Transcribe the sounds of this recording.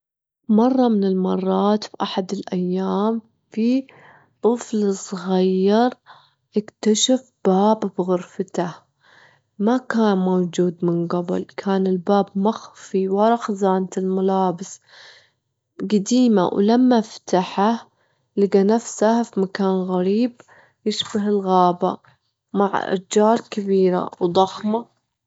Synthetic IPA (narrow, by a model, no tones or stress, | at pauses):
mɑrˤːɑmɪnɪlmɑrˤːɑːt̪fʔaħad̪ɪlʔajːaːm | fi | t̪ˤɨflsˤɣajːɑɾˤ | ʔɪkt̪aʃaf | b̥aːbbɣʊɾfat̪ah | makaːnmowd͡ʒuːd̪mɪnɡabɪ̰lkʰaːnɪlbaːbmaxfiwɑɾˤɑxzaːnt̪ɪlmalaːbɪs | ɡad̪iːma̰wlamːaft̪aħa | lɪɡanafsahfimakaːnɣaɾiːb | jɪʃbaɦɪlɣaːba̰ | maʕʔa̰d͡ʒɑːɾˤkabiːɾa̰wd̪ˤɑxma